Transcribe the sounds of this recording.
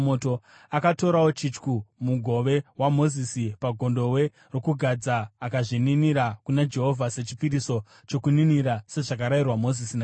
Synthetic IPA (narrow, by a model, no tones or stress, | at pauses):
moto̞ | akato̞ɾawo̞t͡ʃit͡ʃkumuɡʱo̞ʋe̞wamo̞zisipaɡʱo̞ndo̞we̞ | ro̞kuɡʱad͡zaːkaʐininiɾakunad͡ʒe̞ɦo̞vʱase̞t͡ʃipiɾiso̞ | t͡ʃo̞kuniniɾase̞ʐak̬aɾairwamo̞zisina